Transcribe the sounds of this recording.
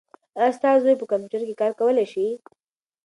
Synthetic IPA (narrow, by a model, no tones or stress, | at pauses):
ast̪ɑzojpəkampjutəɾkekɑɾkawəleʃi